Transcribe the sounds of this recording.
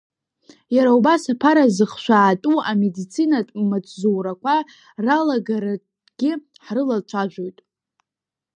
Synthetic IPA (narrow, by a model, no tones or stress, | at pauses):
jaɾaubasapʰaɾazɨχʃʷᶣaːtʼuamedit͡sʰinatʼmat͡sʷʼzuwɾakʷʰa | ralaɡaɾa | ɡ̥ʲɪ | ħrɨlat͡ʃʷʰaʒᶣʷo̞jtʼ